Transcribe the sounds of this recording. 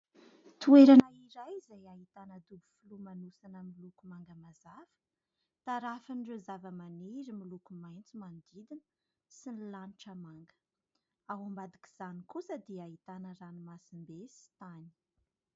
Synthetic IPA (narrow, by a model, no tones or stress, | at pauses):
t̪ueɾanaiɾajzajaɦit̪anəd̪ubu̥fulumanusanəmilukumaŋɡəmazafə̥ | t̪aɾafinrezavəmaneɾimilukumajnt͡simand̪id̪inə̥ | sinilanʈ͡ʂəmaŋɡə̥ | awambad̪iki̥z̥anikusəd̪iait̪anəɾanimasimbesi̥t̪ani̥